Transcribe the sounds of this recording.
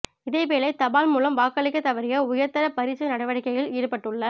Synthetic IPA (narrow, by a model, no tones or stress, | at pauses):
ɪðeːpeːlɐɪt̪ɐbaːlmuːlɐmʋaːkɐɭɪkːɐt̪ːɐʋɐɾɪjɐʊjɐɾt̪ɐɾɐpɐɾɪt͡ʃːɐnɐɽɐʋɐɽɪkːɐjɣɪliːɾɯpɐʈːɯɭːɐ